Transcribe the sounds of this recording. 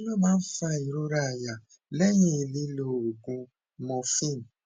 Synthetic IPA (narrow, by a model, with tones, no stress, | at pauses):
lo˦ma˦n̩˦fa˦i˨ɾo˦ɾa˦˨ja˨ | le˦ɲi˦˨li˦lo˨ɡu˦ | mɔ˨fi˦˨n˨